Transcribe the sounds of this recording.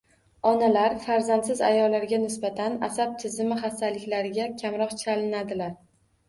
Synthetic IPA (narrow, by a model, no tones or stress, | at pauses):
ɒnalaɾfaɾzant̪sɪza̰jɒlːaɾɡʲanɪsbat̪ʰana̰sap̚t̪ʰɪzɪmɪχasalɪkʲlaɾɪɡʲakʲʰamɾɒqt͡ʃʰalɪnad̪ɪlaɾ